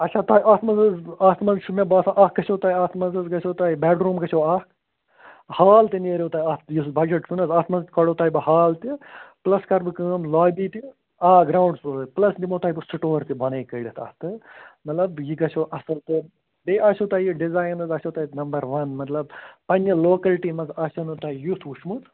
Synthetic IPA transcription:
ɐt͡ʃʰaːt̪aːiʔaːt̪mɐnzɐzaːt̪mɐzʃumebaːsaʔaːkːɐt͡ʃʰoːt̪aːiaːt̪ʰmɐnzɐzɡɐt͡ʃʰoːt̪aːibɛːɖɾuːmɡɐt͡ʃʰoːaː | haːlt̪ineːɾoːt̪aːjat̪jibɐd͡ʒɐʈt͡ʃʰunɐzaːt̪mɐzkɐɽoːt̪aːibɐhaːlt̪iplɐskɐɾbɨkəːmlaːbiːt̪i | aːɡɾaːwɳɖsoːlplɐsd̪imoːt̪aːjibɨsiʈoːɾt̪ibʱɐneːkɐiɽɐt̪ʰa̰ːt̪ɨmɐt̪lɐbjiɡɐt͡ʃʰoːʔɐsɐlt̪ɨ | beʔaʃoːt̪aːjiɖizaːjnɐzɐːʃot̪aːinɐmbɐɾʋɐnmɐt̪lɐb̚pɐnɐloːkɐlʈimɐzaːʃɐnut̪aːjut̪ʰuʃmut̪

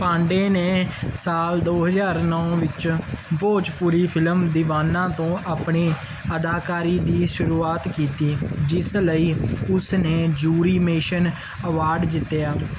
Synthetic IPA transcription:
pãːɳɖeːneːsaːld̪oːɦəzaːɾnɔːʋɪt͡ʃboːt͡ʃpuːɾiːpʰɪləmd̪ɪʋaːnãːt̪õːʔaːpɳeː | əd̪aːkaːɾiːd̪iːʃʊɾuːaːt̪kiːt̪iːd͡ʒɪsləiːʊsneːd͡ʒuːɾiːmeːʃən | əʋaːɾɖd͡ʒ̪ɪt̪ːjaː

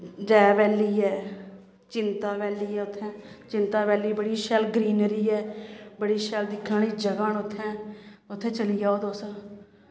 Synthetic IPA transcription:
d͡ʒɛːʋɛːliːɛː | t͡ʃɪnt̪aːʋɛːliːɛːʊt̪ʰːɛ̃ːt͡ʃɪnt̪aːbɛːliːbəɽiːʃɛːlɡɾiːnɾiːɛːbəɽiːʃɛːld̪ɪkʰːãːɽiːd͡ʒəɡaːnʊt̪ʰːɛ̃ːʊt̪ʰːẽːt͡ʃəlijaːoːd̪oːsaː

